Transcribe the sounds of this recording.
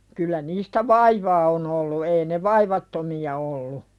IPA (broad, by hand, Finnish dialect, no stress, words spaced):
kylːæ niːstæ ʋɑiʋɑː on olːu ei ne ʋɑiʋɑtːomiɑ olːu